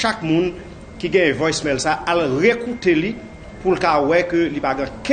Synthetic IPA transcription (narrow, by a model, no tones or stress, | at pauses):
ʃakmũn | kiɡɛ̃jɛ̃vɔjsmɛlsaalʁekuteli | pulkawɛkølipaɡɛ̃kɛ̃